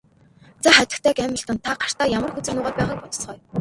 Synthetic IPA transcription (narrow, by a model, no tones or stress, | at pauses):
t͡saχæt̪ɪ̥̆kt̪ʰæːkæmʲə̆ɬt̪ə̆nt̪ʰaɢar̥t̪aːjamə̆rxɵt͡sɘ̆rnʊːʁaːt̪̚pæːʁaːk̚pɔt̪̆t͡sχœːj